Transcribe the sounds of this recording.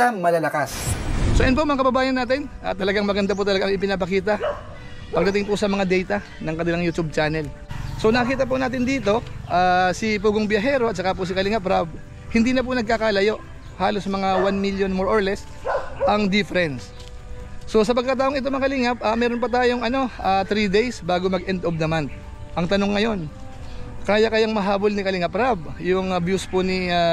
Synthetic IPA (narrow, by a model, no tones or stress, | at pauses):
ɐmɐlɐlɐkassoʔjɐnp̬omɐŋakɐbɐbaːjɐnːaːt̪ɪnʔɐ̰t̪ːɐlɐɡaŋmɐɡɐnd̪apʊt̪̬ɐlɐɡaʔɐŋɪpɪnap̬ɐkiːt̪ɐ | pɐɡ̚d̪ɐt̪ɪŋpʊsɐmɐŋad̪ɛjt̪ɐ | nɐŋkɐnɪlaŋjut̪ub̚t͡ʃaːnɛl | so̞nɐɐkiːt̪̬ɐp̬ʊnaːt̪ɪnd̪iːt̪o̞ʔaːsɪp̬uːɡoŋbjɐɦɛːɾo̞ʔɐt̪̚sɐkap̬ʊs̬ɪkɐlɪŋapɾab | hɪnd̪iːnɐp̬ʊnɐɡ̚kakalɐjo̞ʔ | haːlo̞smɐŋawanmiljonmoɹʔoɹlɛs | ʔɐŋd̪ɪfɛɾɛnsː | o̞sɐpɐɡ̚kɐt̪̬aːʔoŋɪt̪o̞mɐkɐlɪŋɐp̚ʔɐmɛːɾonp̬ɐt̪aːjo̞ŋɐno̞ʔat̪ɾiːd̪ejsbaːɡomɐɡʔɛnd̪ofd̪ɐmant̪̚ | ʔɐŋt̪ɐno̞ŋːɐjo̞n | kaːjɐkɐjaŋmɐɦaːbo̞lnɪkɐlɪŋɐpɾab̚jʊŋɐbjuspʊnia